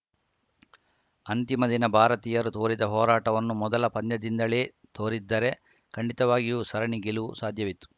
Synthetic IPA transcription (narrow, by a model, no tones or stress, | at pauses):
ɐnt̪imɐd̪inɐbʱaːɾɐt̪iːjɐɾut̪oːɾid̪ɐɦɔːɾaːʈɐʋɐnːumɔd̪ɐlɐpɐnjɐd̪ind̪ɐleː | t̪ʰoːɾid̪ːɐɾe̞ | kɐɳɖit̪ɐʋaːɡijuːsɐɾɐɳiɡiluusaːd̪ʱjɐʋit̪ːu̥